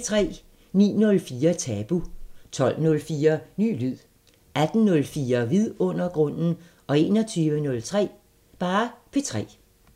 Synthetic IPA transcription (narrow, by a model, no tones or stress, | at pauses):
t͡sʰʁɛ̰ː | nḭːnɔ̽lfiːɐt͡sʰɛːb̥ut͡sʰɒ̽l̰nɔ̽lfiːɐny̰ːlyð̰ˠ | æd̥n̩nɔ̽lfiːɐʋiðˠɔ̽n̰ɐɡ̥ʁɔ̽n̰n̩ | ʔɒ̽e̝ːnɒt͡sʰyːʋənɔ̽lt͡sʰʁɛ̰ː | b̥ɑ̈ːpʰe̝t͡sʰʁɛ̰ː